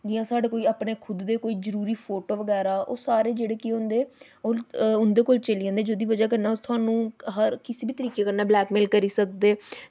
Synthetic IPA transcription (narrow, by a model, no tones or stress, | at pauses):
d͡ʒiːãːsaːɖeːkoːiːaːpɳeːkʰʊd̪ːeːkoːiːzəɾuːɾiːpʰoːʈoːʋəɡɛːɾaːʔo̰ːsaːɾeːd͡ʒeːɽeːkiõnd̪eː | oʊnd̪eːkoːlt͡ʃəliːãːnd̪eːd͡ʒoːd̪iːʋəd͡ʒaːk̬əɾnaːt̪ʊɦaːnũːɦəɾkɪseːbiːt̪əɾiːkeːkəɾnaːblɛːkmeːlkəɾiːsək̚d̪eː